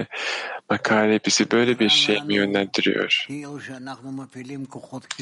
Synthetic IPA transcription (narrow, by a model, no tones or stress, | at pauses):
makʰaːlepʰisibø̞jlʲɛbiɾʃejmijø̞nlʲænd̪iɾḭjo̞̰ɾ̥ˠnanumafilimkoχot̪